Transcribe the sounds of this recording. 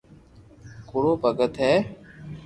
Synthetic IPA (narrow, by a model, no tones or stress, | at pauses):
kʊɽoːpəɡət̪ɦeː